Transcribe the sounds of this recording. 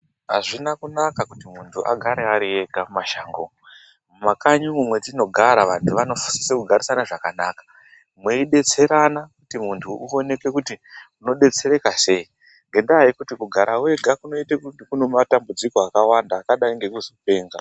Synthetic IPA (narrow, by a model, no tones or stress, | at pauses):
ɦa̰ʐinakunakakutimuntʰuʔa̰ɡʱaɾeaɾie̞ɡʱamumaʃaŋɡo | mumakaɲumumwe̞d͡zino̞ɡʱaɾaʋantʰuʋano̞fu̥si̥sekuɡʱaɾisanaʐakanaːkḁ | mweiɗe̞t͡se̞ɾanakutimuntʰuʔuo̞ne̞ke̞kutimuno̞ɗe̞t͡se̞ɾe̞kase̞i | ŋɡe̞ndaːikutikuɡʱaɾʔawe̞ɡʱakuno̞itekukunomatambud͡ziko̞akawandaːkaɗaiŋɡe̞kuzope̞ːŋɡa̰